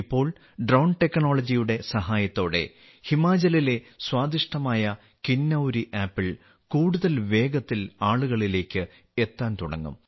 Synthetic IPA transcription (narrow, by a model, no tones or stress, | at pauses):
ipːo̞ːɭ | ɖrɐwɳʈe̞kːno̞ːɭɐd͡ʑijuɽe̞sɐɦaːjɐt̪ːo̞ːɽe̞̰ | himaːd͡ʑɐlile̞swaːd̪iʂʈɐmaːjɐ | kinːɐwɾiʔaːpːiɭ | kuːɽuðɐlʋe̞ːɡɐt̪ːilaːɭuɣɐɭile̞ːkʲːɨ | e̞t̪ːaːnt̪uɽɐ̰ŋːṵm